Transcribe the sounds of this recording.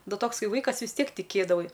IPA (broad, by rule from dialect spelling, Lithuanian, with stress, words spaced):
ˈnʊ ˈtoːks ˈkɐɪ ˈʋɐɪkɐs ʋʲɪs ˈtʲiɛk tʲɪˈkʲeːdɐʋɐɪ